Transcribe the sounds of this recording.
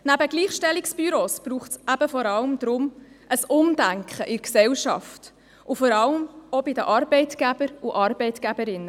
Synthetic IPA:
næbəɡ̥liːχʃtɛliksb̥yɾoːsb̥ɾuːχtsʔæb̥əfɔɾɑləmd̥̪ɾʊm | ʔəsʊmdæŋkχəʔɪɾksɛwʃɑ̰ft | ʔʊfɔɾɑləmɔbɪd̪əʔɑɾbɛɪtɡ̥æb̥əɾuʔɑɾbɛɪtɡ̥æbəɾɪnːə

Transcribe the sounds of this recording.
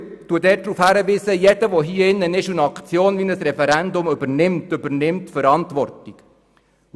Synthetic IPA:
t̪uədɛːt̚d̥ɾuːfhæɾəʋiːsəjɛd̥əʋɔɦiːəɪnːənɪʃunɑkt͡sjoːnʋiːnəsrɛfɛɾænd̪ʊmʏbənɪmtʏbəɾnɪmtfəɾɑntʋɔrtik

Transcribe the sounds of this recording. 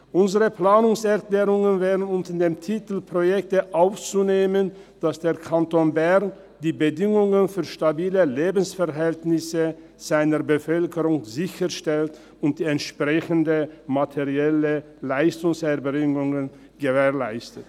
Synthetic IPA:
ʔʊnzəʁəplaːnʊŋsɛɐklɛːʁʊŋənvɛːdn̩ʊntədeːmtʰitl̩pʁ̥ojɛk̚təʔaʊft͡suneːmən | d̥asd̥eːɐkʰantoːnbɛʁn | d̥iːbədɪŋʊŋənfyːɐʃtabiːləleːbn̩sfɛɐɦɛltnɪsə | z̥aɪnəʁbəfœlkəʁʊŋzɪçəʃtɛlt | ʊnt̚d̥iːɛntʃpʁ̥ɛçəndəmatʰeʁiɛlə | laɪstʊŋsɛɐbʁɪŋʊŋən | ɡ̥əveːɐlaɪstət

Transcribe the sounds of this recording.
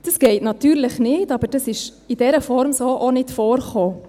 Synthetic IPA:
d̥əsɡ̥ɛɪtnɑtyːɾləχnɪːtɑb̥əɾd̥ɑsɪʃ | id̥ɛɾəfɔɾmsoːʔonɪtfoːɾχoː

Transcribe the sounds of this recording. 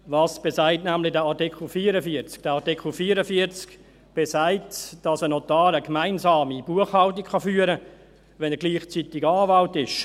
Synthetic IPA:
vɑːsb̥ɛsaɪtnæmlɪdəɑɾtɪkχl̩fiːɾəfiəɾt͡skd̥ɛɑtikχl̩fiːɾəfiət͡sk | b̥ɛsaɪtd̥ɑsənɔtɑːɾəkmaɪnzɑːmib̥uəχhɑlt̬ɪkχɑfyːəɾə | ʋɛnəɡliːχt͡sitɪɡɑːvɑltɪʃ

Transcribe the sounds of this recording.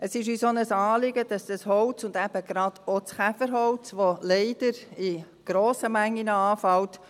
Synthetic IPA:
əsɪʃysonəsɑːlɪɡəd̥ɑsd̥ɑshɔwt͡sʊnd̪æb̥əɡɾɑd̥ot͡sχæfəɾɦɔʊt͡sʋolɛɪd̥əɾi | ɡ̥ɾoːsəmæŋːinəɑːfɑlt

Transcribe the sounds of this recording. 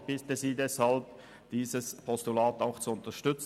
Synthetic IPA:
b̥iːtəziːdɛshalb̚ | d̥iːzəspʰɔstulaːtaʊxt͡suʊntɐʃtʏt͡s

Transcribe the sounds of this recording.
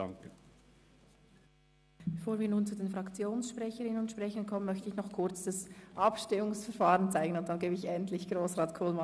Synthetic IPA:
aŋkə | bb̥efoːɐviːɐnuːnt͡sudeːnfʁɑkt͡sjoːnsʃpʁɛçəʁɪnənʊntʃpʁ̥ɛçənkʰɔmənmœçtəɪçnɔχkʰʊɐt͡sd̥ɑsʔɑpʃtɪmʊŋsfɛɐfaːʁənt͡saɪɡən̩ʊnt̚d̥anɡeːbeɪçɛntlɪçɡ̥ʁoːsʁaːtkʰoːlmɑ

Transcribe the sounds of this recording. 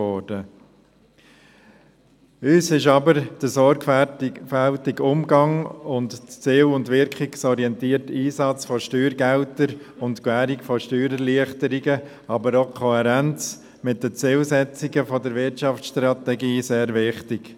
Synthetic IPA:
ɔːɾd̥ə | øːsɪʃɑbəɾd̥əsɔɾɡfæltɪɡʊmɡɑŋʊndt͡sɪːwʊndʋɪɾkʰχiksɔɾiɛntiːərtiːsɑt͡sfɔʃtyːɾɡɛltəɾ | ʊntkwæːɾikfɔʃtyːɾəliəχtəɾiɡə | ɑbəɾokʰɔhɛɾænt͡s | mɪt̚dət͡sɪlsɛt͡siɡəfɔdəɾvɪɾtt͡ʃɑft͡sʃtɾɑtɛɡiːseːɾvɪχtɪɡ̥

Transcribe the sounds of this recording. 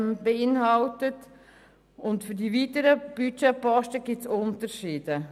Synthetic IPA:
mb̥eɪnɦɑltət | ʊntfyɾdivitəɾəb̥yt͡ʃɛpɑʃtəɡɪtsʊntəɾʃiːd̥ə

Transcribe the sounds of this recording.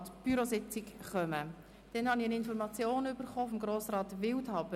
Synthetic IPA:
tb̥yɾosɪt͡sɪkχœmə | d̥ɛnhɑniənɪnfɔɾmɑt͡sjoːnʏb̥əɾχoːfɔmɡɾoːsrɑːt̪ʋɪlthɑbə

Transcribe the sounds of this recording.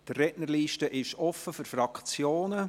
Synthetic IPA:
d̥ərːɛtnəɾliːʃtəʔɪʃɔfəfʏɾfɾɑkt͡sjoːnə

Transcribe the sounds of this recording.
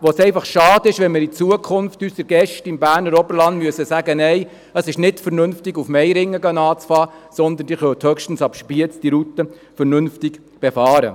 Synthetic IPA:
ʋosɛɪfɑχʃɑːd̥ɪʃʋɛnmɪːɾit͡suəkʰʊnftysəɾɡɛʃtɪmbæːɾnəɾɔbəɾlɑndmyəsəsæɡənɛɪ | əsɪʃnɪtfəɾnɵnftɪɡufmɛɪɾɪŋːəɡɑnɑːt͡sfɑː | sɔnd̪ənd̥iːχœwt̪hœkʃtn̩sɑpʃpiət͡sd̥iɾut̪ə | fəɾnɵnftɪɡ | b̥efɑːɾə̰

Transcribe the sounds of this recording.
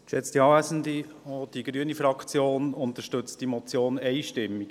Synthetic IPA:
ʃɛt͡st̪iɑːvæsəndi | od̥iɡɾyənifɾɑkt͡sjoːnʊnt̪əʃtɵt͡std̥imɔt͡sjoːnɛɪʃtɪmːi̥

